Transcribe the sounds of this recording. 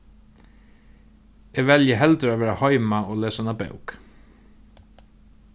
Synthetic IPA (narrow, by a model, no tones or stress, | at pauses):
eːɡʋɛljəɦɛlt̪ɾəaʋeːɹahɔʏmaoːleːsanɑbœ̰ʊk